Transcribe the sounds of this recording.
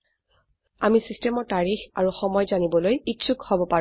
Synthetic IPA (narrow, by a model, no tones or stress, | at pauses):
amisistemɔɹtaɹixaɹuxɔmɔjzanibɔlojitsukhɔbɔpaɹ